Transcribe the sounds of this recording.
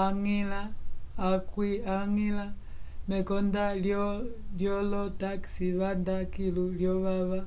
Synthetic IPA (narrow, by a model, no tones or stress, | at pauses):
aŋilaː | kwiaŋila | mɛkɔndaljljɔlɔtaksiβandakiluljɔβaβa